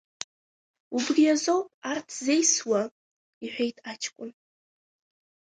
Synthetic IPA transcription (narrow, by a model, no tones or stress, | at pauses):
ubɡʲijazo̞wpʼartʰzejswa | iħʷᶣe̞jtʼat͡ʃʰkʷʼʊn